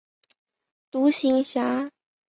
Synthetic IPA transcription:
t̪u˧˥ɕi˧˥ŋɕja˧˥

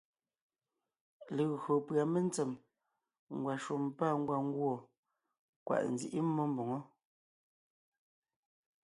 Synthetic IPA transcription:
le˨ɣɰo˨pɰa˨me˦n˦t͡sɛ˨m | ŋ̩˨ɡwa˨ʃo˨mpa˦˨ŋ̩˦ɡwa˨ŋ˦ɡwɔ˦˨ | kwa̰˨ʔn̩˨zḭ˦ʔi˦mɔ˦m˦bo˨ŋo˦

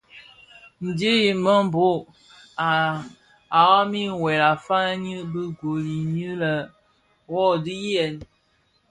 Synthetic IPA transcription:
n̩˨di˦ji˨mə˦m˦˨bo˦˨ | a˨wa˦mi˦˨wɛ˨la˨fa˦ɲə˦bə˦ɡo˨li˨ɲə˦lə˨ | wɔ˦di˦jɛ˨n

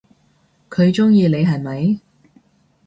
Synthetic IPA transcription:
kʰɵ˨˧ɥt͡ʃʊ˥ŋjiː˧le˨˧jɦɐ˨˩nmɐ˨˥j

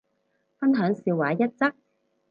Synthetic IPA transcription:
fɐ˥nɦœː˨˥ŋsiː˧waː˨˥jɐ˥t̚t͡sɐ˥k̚

